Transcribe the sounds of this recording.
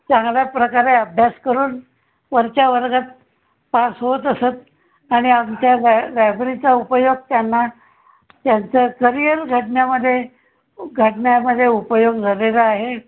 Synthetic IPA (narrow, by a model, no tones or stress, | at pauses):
t͡sãŋɡljapɾəkaɾeəbʱjaskəɾuːn | ʋəɾt͡ɕaʋəɾɡat̪̚ | pasɦot̪əsət̪̚ | aɽ̃iamt͡ɕjallabɾit͡saupəjoɡ̚t̪janːa | t̪jant͡səkəɾijəɾɡʱəʈɳjaməd̪ʱːje | ɡʱəʈɳjaməd̪ʱːjeupəjoɡd͡zʱalelaːɦe